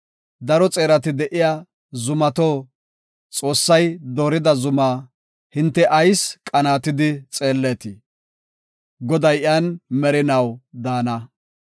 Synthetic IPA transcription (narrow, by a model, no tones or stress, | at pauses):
d̪ɐɾɔt͡sʼe̞ːɾɐt̪ɪd̪ɛʔɪja | zʊmɐt̪oː | t͡sʼo̞ːsːɐjd̪oːɾɪd̪ɐzʊmaː | hɪnt̪ːɛʔɐjskʼɐnaːt̪ɪd̪ɪt͡sʼe̞ːlːeːt̪ɪ | ɡɔd̪ɐjɪjanmɛɾɪnɐwd̪aːnɐ